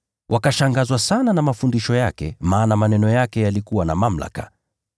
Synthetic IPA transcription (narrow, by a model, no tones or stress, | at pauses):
wʔakaʃaŋɡazwasananamafundiʃɔjakɛ̰maːnamanɛnɔjakɛjalikuwana̰mam̩la̰ka̰